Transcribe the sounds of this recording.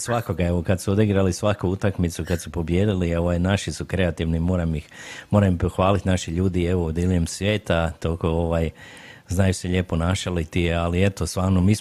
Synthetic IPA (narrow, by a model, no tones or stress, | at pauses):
sʋako̞ɡae̞ʋokad̪suod̪iɡɾalisʋakuut̪akmit̪sukad̪supo̞bje̞ːd̪ilio̞ʋajnaʃisukɾe̞at̪iʋnimo̞ːɾamjixmo̞ːɾampoxʋaːlit̪naʃiʎuːd̪ie̞ʋood̪iliɲemsʋjeːt̪at̪okoo̞ʋaːjznaːjuseʎe̞ːpo̞naːʃalit̪iealie̞t̪ost̪ʋaːɾnomiːs